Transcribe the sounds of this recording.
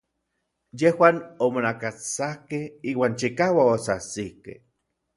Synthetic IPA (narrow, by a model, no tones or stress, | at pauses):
jehwaːnomonakat͡sahkehiːwaːnt͡ʃikawaosasikḛh